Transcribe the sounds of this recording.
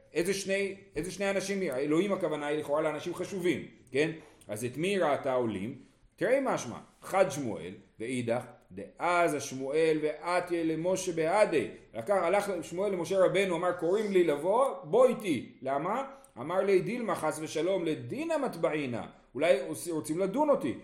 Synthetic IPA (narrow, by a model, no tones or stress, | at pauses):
ezeʃne̞jezeʃne̞janaʃimaelo̞himakavanailiχo̞ʁaleanaʃimχaʃuvimke̞nazet̪miɾaːtao̞lḭm | t̪iʁemaʃma̰χad̪ʃmo̰ʔe̞̰lveid̪aχd̪eʔazaʃmue̞lve̞ʔat̪jelemo̞ʃe̞bead̪ejlakaχalaχʃmoe̞lːemo̞ʃe̞ʁabe̞nuamaʁko̞ʁimlilavo̞bo̞itilama | a̰maʁlid̪ilmaχasve̞ʃalo̞mled̪inamatbaʕina̰ | ulajʁot͡simlad̪uno̞tḭ